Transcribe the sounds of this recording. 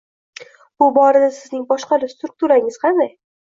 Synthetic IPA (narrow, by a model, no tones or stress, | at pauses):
b̥ʊbɒɾad̪asɪznɪŋbɒʃqɑlɪst̪ɾʊk̚t̪uɾaɪŋɪz̥qʰɑnd̪aj